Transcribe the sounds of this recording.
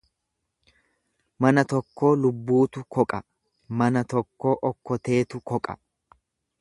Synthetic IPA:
mɐnɐt̪ɔkːo̞ːlʊbːuːt̪ʊkɔkʼɐ | mɐnɐt̪ɔkːo̞ːʔɔkːɔt̪e̞ːt̪ʊkɔkʼɐ̥

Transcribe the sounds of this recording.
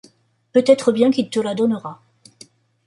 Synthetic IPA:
pøt̪ɛt̪χəbjɛ̃kʲilt̪əlad̪ɔnəʁa

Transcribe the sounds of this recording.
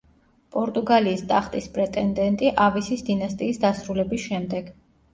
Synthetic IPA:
pʼɔɾt̪ʼuɡaliːst̪ʼaχt̪ʼispʼɾɛt̪ʼɛnd̪ɛnt̪ʼiʔavisisd̪inast̪ʼiːsd̪asɾulɛbisʃɛmd̪ɛɡ̥

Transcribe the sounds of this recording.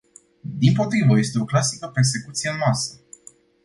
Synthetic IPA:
d̪impo̞t̪ɾivəje̞st̪e̞o̞klasikəpe̞rs̬e̞kut̪sije̞ɨnmasə

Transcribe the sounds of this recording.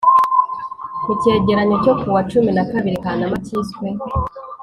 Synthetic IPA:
kuce̞ːɟe̞ɾaɲoco̞kuwat͡ʃuminakaβiɾikanamaciskwe

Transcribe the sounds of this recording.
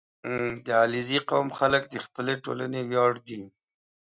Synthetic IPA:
d̪əaliziqawmxaləkd̪əxpəleʈo̰la̰newjɑːɽd̪i

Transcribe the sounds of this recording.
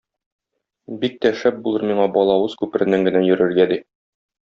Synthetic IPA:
bik̚t̪æʃæp̚bulˠɤɾmiɴɑbɒlˠɑwɤzkʉpɘ̆ɾɘ̆næŋɡɘ̆næjɵ̆ɾɘ̆ɾɡæd̪i

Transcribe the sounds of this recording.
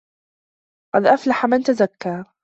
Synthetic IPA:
qɑd̪ʔaflaħamɪnt̪azakːɑɾ

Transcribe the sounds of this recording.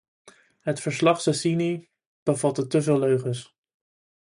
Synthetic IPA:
ɦətfəɹslɑχsəsini | b̥əvɑt̚ətɵs̬əløɥχəs

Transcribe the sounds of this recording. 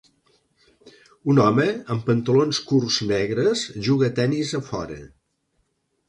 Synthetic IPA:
unɔməəmpənt̪əlonskurznɛɣɾəzʒuɣət̪ɛnizəfɔ̰ɾə̰

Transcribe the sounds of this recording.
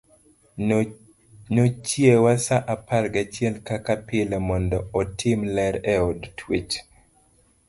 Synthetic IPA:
not͡ʃjewasaʔapalɡat͡ʃjɛlkakapɪlɛmɔndɔɔtʰɪmlɛɾɛɔdtʰwit͡ʃ

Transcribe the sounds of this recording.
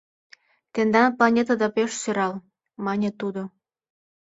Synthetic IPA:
t̪end̪ɑnplɑnʲet̪ɑd̪ɑpeʃsøɾɑl | mɑnʲet̪ud̪o

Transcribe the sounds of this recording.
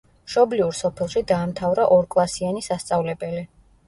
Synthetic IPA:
ʃɔbliuɾsɔpʰɛlˠʃid̪aːmt̪ʰavɾaʔɔɾkʼlˠasianisast̪sʼavlɛbɛli

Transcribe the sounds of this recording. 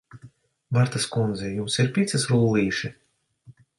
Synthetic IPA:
vaɾt̪askund̪zɛjumsiɾpʲit̪sɨsɾuːlˠiːʃi

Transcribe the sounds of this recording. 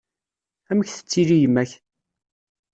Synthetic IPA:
æməçθə̥t͡sːilijəmːæç

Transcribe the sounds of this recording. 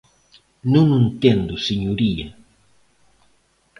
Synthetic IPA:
nũŋẽnt̪ẽnd̪ʊseɲuɾiɐ

